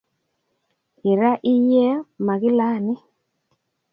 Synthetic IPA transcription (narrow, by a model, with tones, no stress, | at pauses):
i˨ɾa˦ʔi˦jɛ˦ma˨ɣɪ˦la˦˨nɪ˦